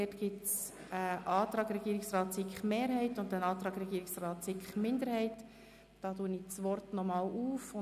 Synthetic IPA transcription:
ɛtɡ̥ɪts | əʔɑːt̪ɾɑːɡɾɛɡ̥iːɾɪksrɑːtsɪkχmeːɾhɛɪtʊndənɑːt̪ɾɑːɡɾɛɡiːɾɪksrɑːt̪sɪkχmɪnd̪əɾhɛɪt | d̥ɑːtuːənit͡sʋɔrtnɔmɑːluːfʊ

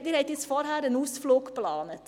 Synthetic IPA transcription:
d̪iɾhɛɪt̪ɪsfɔɾɦæːɾənuːsfloːkplɑːnət

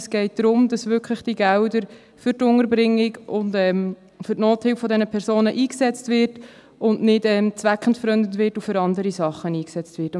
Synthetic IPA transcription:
sɡ̥ɛɪt̚d̥ɾʊmd̥ɑsʋʏkχləχd̥iɡæwdəɾ | fʏɾtʊŋəɾbɾɪŋːɪɡʊndɛːm | fʏɾtnoːthɪwffɔdɛnəpʰɛɾsoːnəʔiːksɛt͡stvɪɾt | ʊnnɪdɛmt͡sʋækχəntfəɾœndəntʋɪtufʏɾɑndəɾisɑχːəniːksɛt͡stʋɪːt

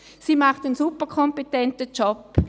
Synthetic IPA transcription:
siːmaχtənsupəʁkʰɔmpetɛntət͡ʃɔp

